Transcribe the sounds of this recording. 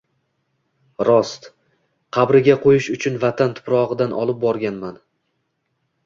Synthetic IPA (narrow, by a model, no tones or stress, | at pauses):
ɾɒst̪ | qʰɑbɾɪɡʲaqʰojɪʃʊt͡ʃʰʊnvat̪ʰant̪ʰʊ̥pɾɒʁɨd̪anʔɒ̰lˠɪp̚bɒɾɡʲanman